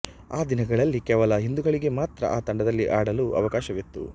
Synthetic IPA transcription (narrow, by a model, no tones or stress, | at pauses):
aːd̪inɐɡɐɭɐlːikɛːʋɐlɐɦind̪uɡɐɭiɡe̞maːt̪ɾɐ̰ʔaːt̪ɐɳɖɐd̪ɐlːiʔaːɽɐluːʔɐ̰ʋɐkaːʃɐʋet̪ːṵ